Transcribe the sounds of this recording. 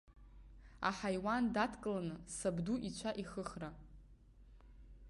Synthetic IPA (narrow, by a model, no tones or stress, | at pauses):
a̰ħajwandatʰkʼlanɨsabduʔit͡ɕʷʰaʔiχəχra